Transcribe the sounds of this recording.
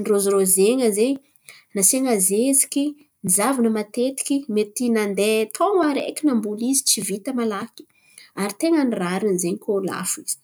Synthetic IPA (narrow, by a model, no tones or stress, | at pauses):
nirozɾozeŋəzeɲi | naseŋazezikʲi | nizavanəmat̪et̪i̥kʲimet̪inand̪et̪ʰoŋəɾḛkʲinambulizit͡sivit̪əmalaki̥ | aɾit̪eŋəniraɾinzeɲikʰola̰fiz̥i̥